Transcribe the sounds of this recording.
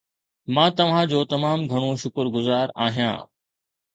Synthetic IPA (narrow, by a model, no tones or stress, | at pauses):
mãːt̪ɐʋ̤ãd͡ʑoːt̪ɐmaːmɡʱɐɽ̃õʃʊkɾɡʊzaːɾaːɦijã̰ː